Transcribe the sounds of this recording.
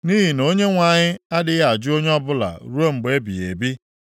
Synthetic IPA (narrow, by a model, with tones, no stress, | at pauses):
ni˦ɦi˨no˦ɲe˦ŋʷa˨ɲɪ˦a˦dɪ˦ɣa˨d͡ʒʊ˦o˦ɲe˦ɔ˦bʊ˦la̰˨ɾu˦o˦ŋ͡m̩˨ɡ͡be˨˦bi˨ḛ˨bi˦